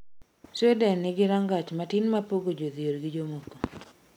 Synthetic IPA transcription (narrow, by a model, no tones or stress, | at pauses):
sedɛnɪɡɪɾaŋɡat͡ʃmatɪnmapoɡod͡ʒoðioɾɡɪd͡ʒomoko̥